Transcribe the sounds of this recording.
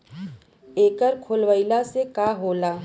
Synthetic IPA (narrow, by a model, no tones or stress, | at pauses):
eːkəɾkʰoːlʋəɪlasekaɦoːlaː